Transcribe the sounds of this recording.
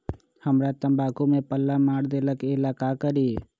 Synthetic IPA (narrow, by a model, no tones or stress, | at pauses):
həmɾaːt̪əmbaːkumẽpəlːaːmaːɽd̪eləkɪlaːkakəɾi